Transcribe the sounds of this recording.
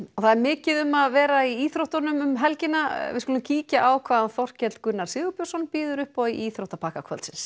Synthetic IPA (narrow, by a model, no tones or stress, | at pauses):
ɔθaðɛɾmɪːcɪðʏmaðvɛːɾaiiːθɾowht̪ɔnʏmʏmɦɛlcɪnavɪ̰ðskulʏmciːcaʔawkʰvaːðanθɔr̥cɛlt̪kʏnːaɾsɪːɣʏpjɔsɔnpiːðʏɾʏhpɔiʔiːθɾowht̪apʰaːkakʰvœ̰lt̪sɪns